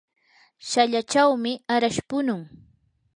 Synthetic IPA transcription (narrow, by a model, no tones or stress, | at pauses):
ʃaʎat͡ʃawmɪaɾaʃpʊnʊŋ